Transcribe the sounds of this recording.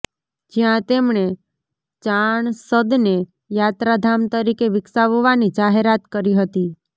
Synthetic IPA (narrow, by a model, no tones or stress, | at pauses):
d͡ʒjãt̪emɳe | t͡ʃaɳsəd̪ne | jat̪ɾad̪ʱamt̪əɾikeʋɪksaʋoʋanid͡ʒaɦeɾat̪kəɾiɦət̪i